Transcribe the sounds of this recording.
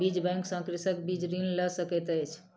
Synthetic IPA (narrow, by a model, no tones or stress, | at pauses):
id͡ʒbɛŋksə̃ŋkɾisəkbid͡ʒɾinləsəkɛt̪ət͡ʃʰ